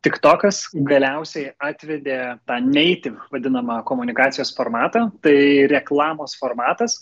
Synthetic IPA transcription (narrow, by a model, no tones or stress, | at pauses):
t̪ʲɪkt̪oːkɐsɡɐlʲɛʊsʲɛɪɑːt̪ʲʋʲɛd̪ʲeːt̪ɑːnʲɛɪt̪ʲɪʋɐd̪ʲɪnɐmɐkoːmʊnʲɪkɑːt̪sʲɪjoːsfoːɾmɑːt̪ɐːt̪ɐɪɾʲɛklˠɑːmoːsfoːrmɑːt̪ɐs